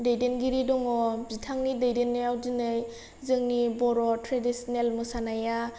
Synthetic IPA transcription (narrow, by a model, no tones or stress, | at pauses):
dejdenɡiɾidɔŋɔbitʰaŋnidejdenːɯjawdinɯj | zɯŋnibɔɾɔtɾadisɔnelmɯsanaja